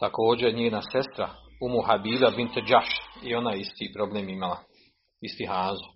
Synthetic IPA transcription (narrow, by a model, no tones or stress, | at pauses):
t̪ako̞ːd͡ʑeɲeːnase̞st̪ɾa̰umuɦabiːbabint̪ed͡ʒaʃio̞najist̪iːpɾo̞bleːmimala | ist̪iɦaːzu